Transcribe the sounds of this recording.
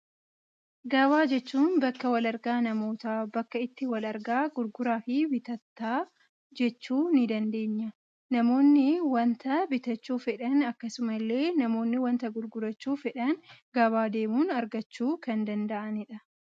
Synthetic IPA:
ɡɐβaːd͡ʒɛt͡ʃːuːnbɐkːɐwɐlɐɾɡaːnɐmo̞ːt̪abɐkːɐɪt̪ːɪwɐlɐɾɡaːɡʊɾɡʊɾaːfɪbɪt̪ɐt̪ːaː | d͡ʒɛt͡ʃːuːnɪd̪ɐnd̪e̞ːɲːɐ | nɐmo̞ːnːɪwɐnt̪ɐbɪt̪ɐt͡ʃːuːfɛᶑɐnɐkːɐsʊmɐlːe̞ːnɐmo̞ːnːɪwɐnt̪ɐɡʊɾɡʊɾɐt͡ʃːuːfɛᶑɐnɡɐβaːd̪e̞ːmuːnɐɾɡɐt͡ʃːuːkɐnd̪ɐnd̪ɐʔɐnɪᶑɐ

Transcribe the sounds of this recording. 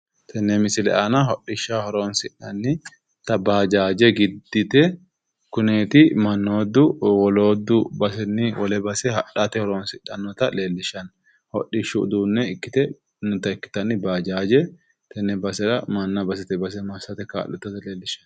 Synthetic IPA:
t̪ʰɛnːɛmɪsɪlɛ̰ʔɐnaɦɔᶑːɪʃːahɔɾo̞ːnsɪᶑɐnːɪ | t̪ɐbaːd͡ʒaːd͡ʒɛɡɪd̪ːɪt̪ɛ | kʊneːt̪ɪmɐnːoːd̪ːʊwɔlo̞ːd̪ːʊbɐsɛnːɪwɔlɛbɐsɛhɐᶑat̪ɛhɔɾoːnsɪᶑːɐnːɔt̪ɐle̞ːlːɪʃɐn | hɔ̰ɗːɪʃːuːd̪uːnːɛɪkːɪt̪ɛ | nɔt̪ɐɪkːɪ̥t̪ɐnːɪbaːd͡ʒaːd͡ʒɛ | t̪ʰɛnːɛbɐsɛᶑɐmɐnːɐbɐs̬ɛt̪ɛbɐs̬ɛmɐsɐt̪ɛka̰ːlːɔt̪ːɐt̪ɐleːlːɪʃɐ̥n

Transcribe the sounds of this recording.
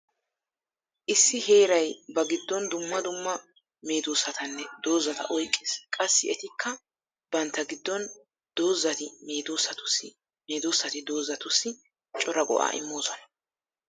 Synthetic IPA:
ʔɪsːɪhe̞ːɾɐjbɐɡɪd̪ːɔnd̪ʊmːɐd̪ʊmːɐ | me̞ːd̪usɐt̪ɐnːɛd̪oːzːɐt̪ɐ̰ʔɔjkʼːeːskʼɐsːɪɛt̪ɪkʰːɐ | b̥ɐnt̪ːɐɡɪd̪ːɔn | d̪̥oːzːɐt̪ɪme̞ːd̪oːsːɐt̪ʊ̥sɪ | meːd̪oːsːɐt̪ɪd̪o̞ːzːɐt̪ʊsːɪ | t͡ʃʼɔɾɐɡɔ̰ʔa̰ːʔɪ̰mːo̞ːsɔnɐ̥

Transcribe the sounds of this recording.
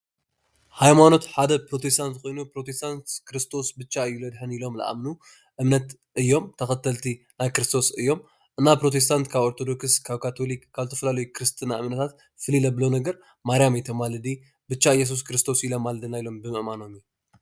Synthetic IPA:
hajmano̞t̪ħad̪ɐpɾo̞t̪ʰe̞st̪ʰant̪kʰʼo̞jnupɾo̞t̪ʰe̞st̪ʰant̪kɾɨst̪ʰo̞sbɨt͡ʃːaɨjːulɐd̪ħɨnilo̞mla̰ʔa̰mnu | ʔɨmnɐt̪ | ʔɨjːo̞mt̪ʰɐxɐt̪ʰːɐlt̪ʰi | najkɨɾɨst̪ʰo̞sɨjːo̞m | ʔɨnːapɾo̞t̪ʰe̞s̬t̪ʰant̪kʰaβoɾt̪ʰo̞d̪o̞kɨskʰaβkʰat̪ʰo̞likʰːaβzɨt̪ʰɐfɐlalɐjukʰɨɾɨst̪ʰinaʔɨmnɐt̪ʰat̪ | fɨlilɐblonɐɡɐɾ | maɾijamejt̪ʰɐmalɨd̪i | bɨt͡ʃːaɨjːes̬us̬kɾɨst̪ʰo̞silomːald̪ɨnajilo̞mbɨmɨʔmano̞mju

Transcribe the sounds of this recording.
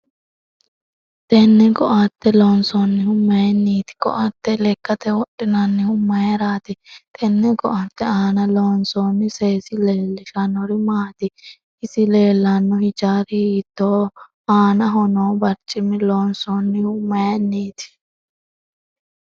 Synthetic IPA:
t̪ʼɛnːɛɡɔʔaːt̪ːɛloːnsɔnːɪhʊmːɐjɛnːiːt̪ɪ̥ɡɔ̰ʔaːt̪ːɛlɛkːɐt̪ɛwɔɗːɪnɐnːɪhʊmːɐjɛɾaːt̪ɪt̪ʰʼɛnːɛɡɔʔaːt̪ːɛaːnɐloːnsoːnːɪseːsɪleːlːɪʃɐnɔɾɪmaːt̪ɪ | ʔɪsɪle̞ːlːɐnːɔhɪt͡ʃaːɾɪhiːt̪ːoː | aːnɐɦɔnoːbɐɾt͡ʃʼːɪmɪloːnsɔːnːɪhʊmːɐjɛnːiːt̪ɪ̥

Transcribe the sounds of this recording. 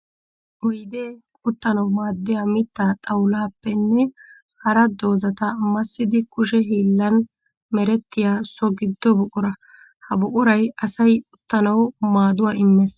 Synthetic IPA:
ʔɔjd̪eː | ʊt̪ːɐnɐwmaːd̪ːɪjaːmɪt̪ːaːt̪ʼɐwlaːpːɛnːɛ | hɐɾɐd̪o̞ːzɐt̪ɐmɐsːɪd̪ɪkʊʃɛɦiːlːɐn | mɛɾɛt̪ːɪjaːsɔɡɪd̪ːɔbʊʔʊɾɐ | hɐbʊʔʊɾɐjɐsɐjʊt̪ːɐnɐwmaːd̪ʊwaːɪmːɛs

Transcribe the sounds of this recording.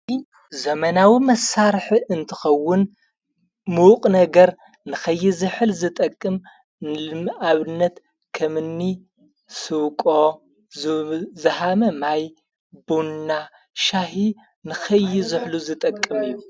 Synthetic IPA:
zɐmɐnawimɐsːaɾħiɨnt̪ʰɨ̥xɐwːʊn | muqʼnɐɡɐɾ | nɨxɐjːɪzɨħɨlzɨt̪ʼɐkʼːɨm | aβɨnːɐt̪ | kʰɐmɨnːi | sɨβkʼo | zɐhamɐmaj | bunːa | ʃaɦi | nɨxɐjːɪzɨħluzɨt̪ʼɐkʼːɨmɨjːu

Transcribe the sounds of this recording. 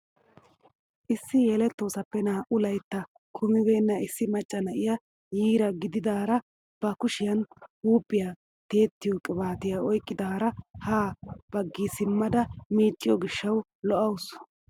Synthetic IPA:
ʔɪsːɪjeːlɛt̪ːo̞ːsɐpːɛnaːʔʊlɐjt̪ːɐ | kʰʊmɪbe̞ːnːɐɪsːɪmɐt͡ʃʼːɐnɐʔɪjɐ | jiːɾɐɡɪd̪ɪd̪aːɾɐ | b̥ɐkʊʃɪjɐnhuːpʼːɪja | t̪e̞ːt̪ːɪjokʼɪbaːt̪ɪjaɔjkʼːɪd̪aːɾɐhaːb̥ɐɡːisɪmːɐd̪ɐmiːt͡ʃʼːɪjɔɡɪʃːɐw | lɔʔɐws

